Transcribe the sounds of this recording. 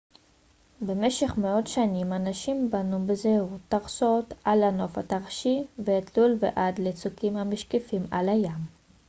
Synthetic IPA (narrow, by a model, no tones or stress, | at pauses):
be̞me̞ʃe̞χmeo̞tʃanimanaʃimbanubezehʁut̪ːaʁsot̪ʔalano̞fa̰t̪aʁʃiveːtʰlulvḛʔadlet͡sukimhamiʃkefima̰lhajam